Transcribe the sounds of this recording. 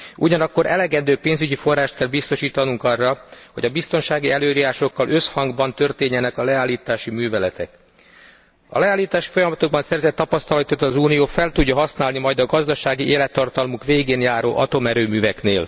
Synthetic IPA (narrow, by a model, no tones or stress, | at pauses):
uɟɒnɒkːo̞ɾʔɛlɛɡɛnd̪øːpeːnzyɟifo̞rːaːʃt̪kɛlbist̪o̞ʃiːt̪ɒnuŋkɒrːɒho̞ɟɒbist̪o̞nʃaːɡiɛløːɾijaːʃo̞kːɒlʔø̞shɒŋɡbɒnt̪ø̞rt̪eːɲːɛnɛkɒlɛaːlːiːt̪aːʃimyːvɛlɛt̪ɛk | ɒ̰lɛaːlːiːt̪aːʃi̥fo̞jɒmɒt̪oɡ̚bɒnsɛrzɛt̪ːɒpɒst̪ɒlɒt̪ot̪ɒzuːnijoːfɛlt̪uɟːɒɦɒsnaːlnimɒjd̪ɒɡɒzd̪ɒʃaːɡiʔeːlɛt̪ːɒrt̪ɒlmukʋeːɡeːnjaːɾoːʔɒt̪o̞mɛɾøːmyːvɛkneːl